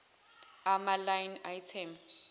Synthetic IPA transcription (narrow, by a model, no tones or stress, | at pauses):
amalajnaitʰɛms